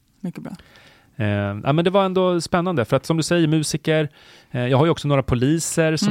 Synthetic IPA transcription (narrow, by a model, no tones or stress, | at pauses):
mʏkːəbɑ̰ | nʔæ̰ːjmɛnd̪ɛvaɾɛnd̪oːspɛnːand̪əfœɾat̪sɔmd̪ɵsɛjːəɾmʉ̟ːsɪkəɾ | jɑːɡɦaɾjɵɔksɔnoːɾapʰʊliːsəɾsɔ